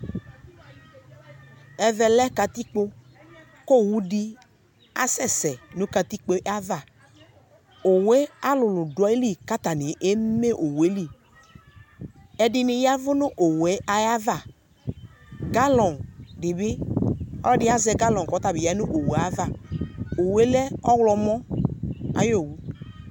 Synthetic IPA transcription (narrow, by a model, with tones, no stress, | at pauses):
ɛ˨vɛ˨lɛ˦ka˨t̪i˦k͡po˦ | ko˦˨wu˦di˦ | a̰˦sɛ˦sɛ˨nʊ̃˦ka˨t̪i˦k͡po˦ʔa˦va˦˨ | o˨we˦a˦lʊ˨lʊ˨dɔ˨˦e˦li˦˨ka˦t̪a˨nĩ˨ʔe˦me˦ʔo˨we˦li˦˨ | ɛ˨dɪ˧nɪ˧ja˦vʊ˦nʊ˦ʔo˨wɛ˨˦a˨ja˦va˦˨ | ɡa˦lɔ˨ndɪ˨bɪ˦ɔ̰˦lɔ˦dɪ˦a˦zɛ˧ɡa˦lɔ˨kɔ˨˦t̪a˨bɪ˨ja˨˦nʊ˦ʔo˨wu˨a˨˦va˦˨o˨we˦lɛ˦ɔ˦wlɔ˧mɔ̃˦ | a̰˦jo˦˨wu˦